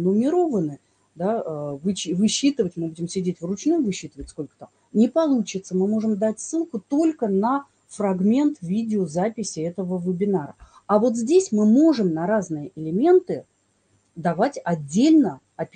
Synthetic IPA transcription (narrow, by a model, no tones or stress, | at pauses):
nʊmʲɪɾo̞vənɨ | d̪aəvɨt͡ɕvɨɕːit̪ɨvətʲmɨbudʲɪmsʲɪdʲetʲvrʊt͡ɕnujvɨɕːit̪ɨvətʲsko̞lʲkə̥t̪am | nʲɪpɐlˠut͡ɕɪt̪səmɨmo̞ʐɨmd̪atʲsːɨlˠkʊt̪o̞lʲkənə | frɐɡmʲe̞nt̪vʲidʲɪozapʲɪsʲɪɛt̪əvəvɪbʲɪnaɾə̰ | ɐvo̞t̪zʲdʲesʲmɨmo̞ʐɨmnɐɾaznɨjəʔɪlʲɪmʲe̞nt̪ɨ | d̪ɐvatʲɐdʲːelʲnə | ɐpʲ